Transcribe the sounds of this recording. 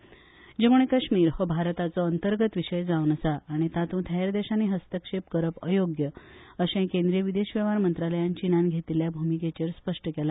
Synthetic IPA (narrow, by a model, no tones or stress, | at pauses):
d͡ʑemuɭekəɕmiːɾhɔbʱaɾt̪at͡sɔənt̪əɾɡət̪ʋiɕəjd͡zaunəsaːɽ̃it̪at̪ũːt̪ʰəeɾd̪eɕaniːɦəst̪əkʂep̚kəɾəpə̰joɡjəəɕẽkẽnd̪ɾijəʋid̪eɕʋeʋaɾmənt̪ɾaləjant͡ɕinanɡʱet̪iljabʱumiket͡ɕeɾspəʂʈəkela